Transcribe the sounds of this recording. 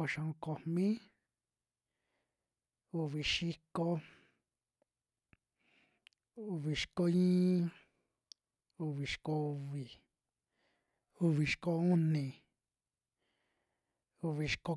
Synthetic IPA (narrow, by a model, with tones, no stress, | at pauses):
o˧ʃã˧õ˧ko˨mmĩ˦ | u˧βi˨ʃi˧ko˧ | u˧βi˨ʃko˧ĩː˦ | u˧βi˨ʃko˧u˧βi˨ | u˧βi˨ʃko˧u˦nĩ˨ | u˧βi˨ʃko˧